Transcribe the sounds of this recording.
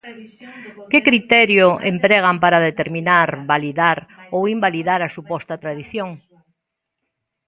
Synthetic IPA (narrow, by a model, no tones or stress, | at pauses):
kɪkɾit̪ɛɾjoʔḛmpɾɛɣ̞ampaɾaðet̪eɾminaɾβaliðaɾowimbaliðaɾɐsupɔst̪ɐt̪ɾaðiθjoŋ